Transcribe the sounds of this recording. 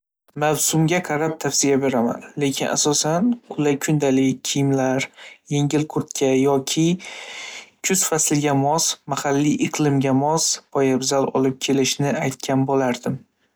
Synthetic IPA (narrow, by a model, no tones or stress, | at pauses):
mawsʊmɡʲaqʰɑɾap̚t̪ʰafsijabe̞ɾama̰nle̞kʲʰɪnʔa̰sɒsanqʰʊlajkʰʊnd̪alɪkʲʰːijɪmlaɾje̞ŋɡʲɪlqʰʊɾt̪kʲʰajɒkʲʰɪ | kʰʊzfasɪlɡʲamɒsmahalːiʔɪqlˠɪmɡʲamɒspʰɒjabzalɒ̰lɪp̚kʲʰe̞lɪʃnɪajt̪̚kʲʰanbolaɾd̪ɪm